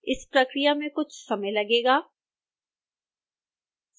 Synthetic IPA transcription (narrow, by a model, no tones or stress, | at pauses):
ɪspɾɐkɾijamẽkʊt͡ʃʰsɐməjlɐɡeːɡaː